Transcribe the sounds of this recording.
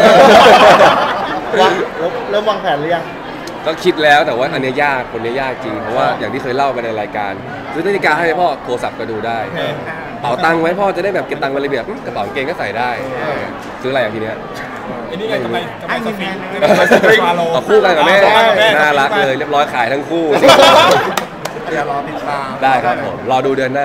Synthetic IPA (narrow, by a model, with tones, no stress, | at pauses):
ɔ˧˨˧lo˦˥plɤː˥˩mwa˧ŋpʰɛː˨˦nlja˨˩ŋ | kɔː˥˩kʰi˦˥t̪̚lɛː˦˥wt̪ɛː˨˩waː˥˩ʔa˧ni˦˥ɐjaː˥˩k̚pʰo˨˧˦n˧˦˥jaː˥˩k̚t͡ɕi˧ŋpʰɔ˦˥waː˥˩jaː˨˩ŋt̪ʰiː˥˩kʰɤː˧jla˥˩wpe˧nʔa˧ɾaː˧jkaː˧n | sɯː˦˥na˦˥t̪ʰi˧˥˩kaː˧a˥˩jha˧˥˩pʰɔː˥˩k̪ʰoː˧sa˨˩p̚kɔ˥˩duː˧daː˥˩j | pa˨˩˦wt̪a˧ŋwa˦˥jpʰɔː˥˧a˧˩t͡ɕdaː˥˩jbɛː˨˩p̚ke˨˧p̚t̪a˧ŋma˧lbi˨˩ət̪̚ʔmɯ˦˥˩ka˧˩sɔː˩˦ŋkeː˧ŋkɔː˥˩sa˨˩jdaː˥˩jŋi˦˥ɐ | sɯː˦˥ʔa˧ja˨˩ŋt̪ʰiː˧ni˦˥ɐ | ma˥˩˨nu˦˥˧ | t̪ɔː˨˩kʰuː˥˩t̪aː˧ŋkaː˨˩mɛ˧˦˥naː˧˨la˦˥k̚lɤː˧jɾi˥˩əp̚ɾɔː˦˥jkʰaː˩˦jt̪ʰa˦˥ŋkʰuː˥˩˧ | daː˥˩jkʰɾa˦˥pʰːo˩˦mlɔː˧duː˧dɯ˧ənːaː˥˩